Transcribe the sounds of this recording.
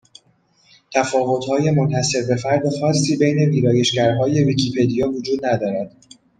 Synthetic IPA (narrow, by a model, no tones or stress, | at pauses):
t̪ʰæfɒːvo̞t̪hɒːje̞mont̪æse̞ɾbe̞fæɾd̪oxɒːsːiːbejne̞viːɾɒːje̞ʃcæɾɦɒːje̞viːcʰipʰe̞d̪ijɒːvod͡ʒuːd̪̚næd̪ɒːɾæd̪̥